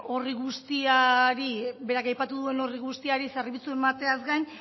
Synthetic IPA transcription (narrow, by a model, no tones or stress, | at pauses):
o̞riɣust̪iaɾibe̞ɾakajpat̪uðue̞no̞riɣust̪iaɾisarβit͡sue̞mat̪e̞azɡajn